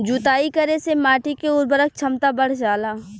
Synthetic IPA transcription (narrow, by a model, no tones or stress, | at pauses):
d͡ʒuːt̪aːikəɾesemaːʈikeʊɾbəɾək̚t͡ʃʰɐmt̪abəɽ̤d͡ʒaːlaː